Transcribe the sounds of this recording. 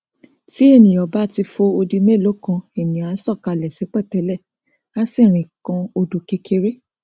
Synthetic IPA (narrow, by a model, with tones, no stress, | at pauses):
ti˦e˦˨nĩ˨ɔ˨ba˨˦ti˧fo˧o˧di˧me˦˨lo˨˦kã˧e˨nĩ˨a˨˦sɔ˦˨ka˧˨lɛ˨se˨˦k͡pɛ˦˨tɛ˨˦lɛ˦˨ | a˦si˦˨ɾ̃ĩ˨kã˧o˧du˨ke˧kʰe˧ɾe˦